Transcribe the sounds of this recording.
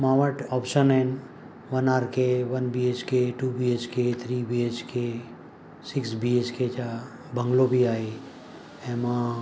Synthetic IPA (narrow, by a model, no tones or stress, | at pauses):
mãːʋəʈɔpʃənɛ̃n | ʋənaːɾkeʋənbiet͡ʃkeʈuːbiet͡ʃket̪ʰɾiːbiet͡ʃke | sɪksbiet͡ʃket͡ʃa | bə̃ŋɡlobʱiaːi | ɛ̃mã